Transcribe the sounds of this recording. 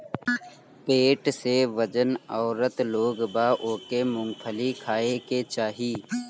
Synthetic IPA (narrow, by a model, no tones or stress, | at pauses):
peːʈseʋəd͡ʒənɔːɾət̪loːɡbaːʔoːkemʊ̃ŋɡpʰəlikʰaːeket͡ʃaːɦiː